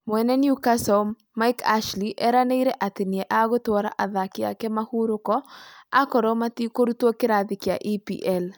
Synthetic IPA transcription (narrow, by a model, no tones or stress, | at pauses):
mwɛnɛnjukasɔmːaɪka̰ʃliʔɛɾaneiɾɛʔat̪ɪnjɛʔaɡɔtwɔɾaʔaðakɪa̰kɛmahuɾʊkɔakɔɾɔmat̪ikoɾutwokɪɾad̪ɪkɪa̰ʔipḭʔɛl